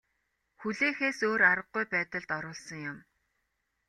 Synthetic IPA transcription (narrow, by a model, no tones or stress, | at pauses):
xuɮeːxeːsoːɾaɾə̆ɢujpæːt̪ə̆ɮt̪ɔɾʊːɮsɞ̆ŋjʊm